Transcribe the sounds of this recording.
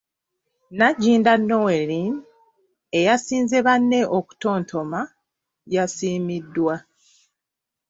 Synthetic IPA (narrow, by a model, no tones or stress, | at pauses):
naɟiːndanːowelin | e̞jasiːnze̞βanːe̞ʔoku̥to̞ːntʰo̞ma | jasiːmidːwa